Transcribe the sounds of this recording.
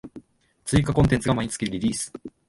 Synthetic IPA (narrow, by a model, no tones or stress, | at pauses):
t͡sɨikakõt̪e̞nt͡sɨɡamaɲ̟it͡sɨ̥kʲiɾʲiɾʲiːsɨ̥